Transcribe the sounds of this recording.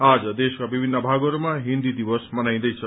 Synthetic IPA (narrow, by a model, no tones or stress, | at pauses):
ad͡zʌd̪eskabibʱinːʌbʱaɡʌɾumaɦind̪id̪ibʌsmʌnaj̃d̪ʌjt͡sʰʌ